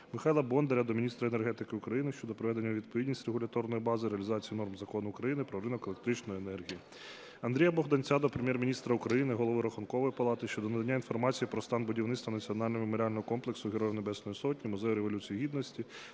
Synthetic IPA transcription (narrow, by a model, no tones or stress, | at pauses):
mɪxajlˠɐbɔnd̪eɾʲɐd̪ɔmʲinʲist̪ɾɐenerɦɛt̪ɪkɪukɾɐjinɪʃt͡ʃɔd̪ɔpɾɔʋɛd̪e̞nʲːɐʋʲid̪̚pɔʋʲidʲnʲisʲtʲɾeɦʊlʲɐt̪ɔrnɔjibɑzɪɾeɐlʲizɑt͡sʲijinɔrmzɐkɔnʊːkɾɐjinɪpɾɔɾɪnɔkelek̚t̪ɾɪt͡ʃnɔjenɛrɦʲiji | ɐnd̪ɾʲijɐbɔɣd̪ɐnʲt͡sʲɑd̪ɔpɾemʲjɛrmʲinʲist̪ɾɐukɾɐjinɪɦɔlˠɔʋɪɾɔxʊnkɔʋɔjipɐlˠɑt̪ɪʃt͡ʃɔd̪ɔnɐd̪ɐnʲːain̪fɔrmɑt͡sʲijipɾɔst̪ɑnbʊdʲiwnɪt̪st̪ʋɐnɐt͡sʲiɔn̪ɑlʲnmemoɾʲɪalʲnɔɦɔkɔmplˠeksʊɦeɾɔjunebɛsnɔjisɔtʲnʲimɔzɛjʊɾeʋɔlʲut͡sʲijiɦʲid̪nɔsʲtʲi